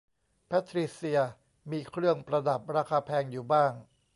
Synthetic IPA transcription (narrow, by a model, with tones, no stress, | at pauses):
pʰɛ˦˥t̪ʰɾi˦˥si˧ɐ | miː˧kʰɾɯ˥˩əŋpɾa˧da˨˩p̚ɾaː˧kʰaː˧pʰɛː˧ŋjuː˨˩baː˥˩ŋ